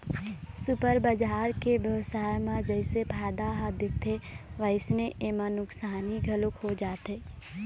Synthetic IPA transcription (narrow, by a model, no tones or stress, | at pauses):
sʊpəɾbəd͡ʒaːɾkeʋjəʋsaːjmãd͡ʒəɪsepʰaːd̪aɦaːd̪ɪk̚t̪ʰeʋəɪsneʔeːmãnʊksaːniɡʱɐlokɦod͡ʒaːt̪eː